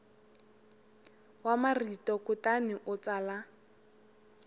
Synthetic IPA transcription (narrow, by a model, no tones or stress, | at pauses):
wamaritʼɔkʊtanɪʔʊt͡sala